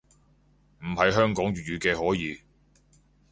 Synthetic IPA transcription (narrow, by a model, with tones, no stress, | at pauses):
m̩˨˩hɐ˨˧jɦœː˥ŋkɔː˨˥ŋjyː˨jyː˨˧kɛː˧ɦɔː˨˥jiː˨˧